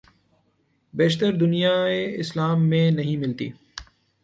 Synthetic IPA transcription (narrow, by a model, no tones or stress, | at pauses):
beːʃt̪əɾd̪ʊnijaeɪslaːmːẽnɐɦĩmɪlt̪ḭː